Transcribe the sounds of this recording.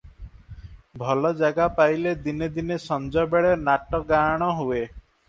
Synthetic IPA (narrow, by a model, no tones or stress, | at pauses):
bʱɔlɔd͡ʒaɡapajled̪ined̪inesɔnd͡ʒɔbeɭenaʈɔɡaɽ̃ɔɦue